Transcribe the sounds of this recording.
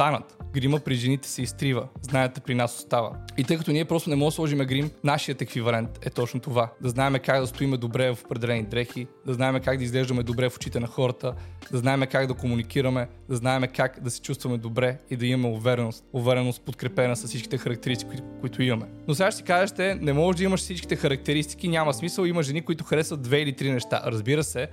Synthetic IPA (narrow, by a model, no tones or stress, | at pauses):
st̪anət̪ɡɾiməpɾiʒɛnit̪ɛ̥sɛist̪ɾivəznajɛt̪ɛpɾinasost̪avə̰it̪ɤjkɐt̪oniɛpɾɔst̪onɛmɔslˠɔʒimɛɡɾimnaʃijət̪ɛkvivɐlɛnt̪ɛt̪ɔt͡ʃnot̪ovad̪ɐznaɛmɛkaɡd̪ɐst̪oimɛd̪obɾɛvɐfo̥pɾɛd̪ɛlɛnid̪ɾɛxid̪ɐznaɛmɛkaɡd̪ɐizɡlɛʒd̪ɐmɛd̪obɾɛfo̥t͡ʃit̪ɛnɐxɔɾɐt̪əd̪ɐznaɛmɛkaɡd̪ɐkomunikiɾɐmɛd̪ɐznaɛmɛkakd̪ɐsɛ̥t͡ʃust̪vɐmɛd̪obɾɛid̪ɐimɐmɛovɛɾɛnost̪ovɛɾɛnost̪̚pot̪kɾɛpɛnəsɐsːit͡ʃki̥t̪ɛxɐɾɐk̚t̪ɛɾist̪i̥kkʊit̪ʊimɐmɛnosɛɡat̪si̥kazɛʃt̪ɛnɛmɔʒd̪ɐiməʃsit͡ʃki̥t̪ɛxɐɾɐk̚t̪ɛɾist̪i̥k̟inʲamɐsmisəlˠimɐʒɛnikoʊit̪ʊxɐɾɛsvət̪̚d̪vɛilit̪ɾinɛʃt̪a̰ɾɐzbiɾəsɛ